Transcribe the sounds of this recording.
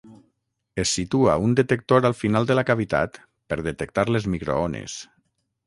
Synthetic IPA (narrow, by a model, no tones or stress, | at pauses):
esːit̪ua̰und̪et̪ək̚t̪oɾalˠfinalˠd̪əlakaβit̪a̰t̪ | pəɾðet̪ək̚t̪aɾlezmikɾo̰onḛs